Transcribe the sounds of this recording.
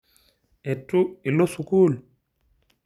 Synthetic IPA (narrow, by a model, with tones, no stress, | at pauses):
e˨tːu˦i˨lo˦su˨kuː˦l